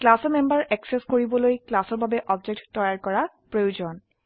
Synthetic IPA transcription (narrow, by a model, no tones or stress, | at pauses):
klasɔmembaɹʔɛkseskoɹibɔlojklasɔɹbʱabɛʔɔb̚d͡ʒek̚ʈtːɔjaɹkɔɹaɹ | pɹojud͡ʑɔn